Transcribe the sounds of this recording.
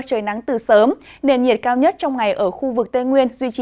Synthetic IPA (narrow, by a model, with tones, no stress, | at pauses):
t͡ɕəː˨˩jna˨˦ŋt̪ɨ˨˩səː˨˦m | ne˧nɲi˨˩ət̚kaː˧wɲə˦˥t̚t͡ɕɔ˧wŋ͡mŋa˨˩jʔəː˧˩xu˧vɨ˨˩k̚t̪e˧ŋwi˧ənzwi˧t͡ɕi˧˨